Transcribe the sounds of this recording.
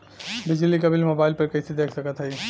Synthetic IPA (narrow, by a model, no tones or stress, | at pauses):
bid͡ʒlikəbʱilmobaɪlpəɾkəjsʰid̪ekʰsəkət̪ɦəj